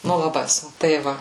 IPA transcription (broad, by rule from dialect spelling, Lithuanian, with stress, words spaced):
ˈnʊ lˠɐˈbɐɪ ˈsʊn tɐɪ ˈʋɐ